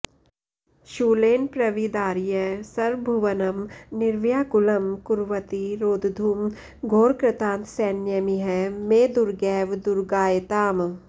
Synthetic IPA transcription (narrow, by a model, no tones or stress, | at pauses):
ʃuːleːnpɾɐʋid̪aːɾjəsɐɾbʱuʋɐnɐmnɪɾʋjaːkʊlɐmkʊɾʋət̪iɾoːd̪d̪ʱuːm | ɡʱoːɾkɾɪt̪ãːnt̪sɛːnjɐmiɦɛmeːd̪ʊɾɡɛːʋd̪ʊɾɡaːjət̪aːm